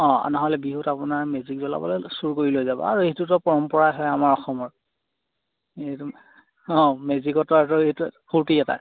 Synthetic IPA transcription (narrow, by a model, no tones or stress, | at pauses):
ɔ̃a̰nɔɦɔlɛbiɦutapunaɹmezikzɔla̰bɔ̰lɔjsuɹkoɹilojzabɔ̰a̰ɹuetutɔpɔɹɔmpɔɹaɦɔjamaɹɔxɔmɔɹ | etu | ɔ̃mezikɔtɔɛtɔeɦitupʰuɹtiɛta̰